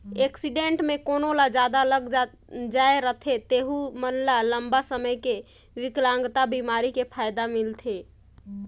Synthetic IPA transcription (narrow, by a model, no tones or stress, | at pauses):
eksiɖeɳʈmẽkoːnolad͡ʒaːd̪aləɡ | d͡ʒaːeɾət̪ʰet̪eːɦumənlaləmbasəməjke | ʋɪklãŋɡt̪abimaːɾikepʰaːjd̪amɪlt̪ʰe